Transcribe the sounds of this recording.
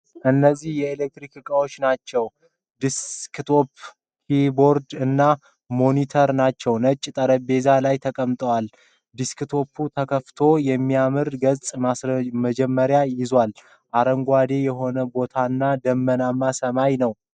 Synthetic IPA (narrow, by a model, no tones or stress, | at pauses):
ʔɨnːəzːihjɛelek̚t̪ɾikɨkʼawo̞t͡ʃːnat͡ʃːɛw | d̪iskt̪ʰo̞p | kʰibo̞ɾd̪ɨnːa | mo̞nit̪ʰəɾnat͡ʃːɛwnət͡ʃʼːt̪ʼəɾəbe̞zalajt̪ʰəkʼəmt̪ʼəwal | d̪iskt̪ʰo̞pʰːut̪ʰəkʰəft̪ʰo̞jɛmːiamɨɾɡət͡sʼmasməd͡ʒɛmːəɾjajɪzwal | ʔaɾəŋɡʷad̪e̞jɛɦo̞nəbo̞t̪ʰanːad̪əmːənamːasəmajnəw